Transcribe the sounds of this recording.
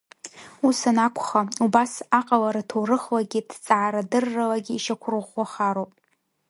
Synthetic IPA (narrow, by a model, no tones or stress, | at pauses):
usanakʷʰχaubasaqʼalaɾatʰowrɨχlaɡʲidt͡sʼaʕːɾadɨrːalaɡʲiːʃakʷʰrɨʁaχaɾowpʼ